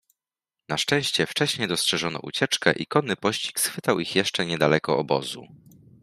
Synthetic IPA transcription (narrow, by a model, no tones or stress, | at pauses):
naʂt͡ʂɛ̃w̃ɕt͡ɕɛft͡ʂɛɕɲejd̪ɔstʂɛʐɔnɔ̰ʔṵt͡ɕɛt͡ʂkɛ̰ʔikɔnːɘpɔɕt͡ɕi̥ksxfɘt̪awixjɛʂt͡ʂɛɲɛd̪alɛkɔɔbɔ̰zṵ